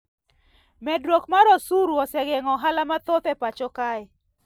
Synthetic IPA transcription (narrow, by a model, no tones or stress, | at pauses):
mɛdɾokmaɾɔsuɾuɔsɛɡɛŋɔɦalamat̪ot̪ɛpat͡ʃɔka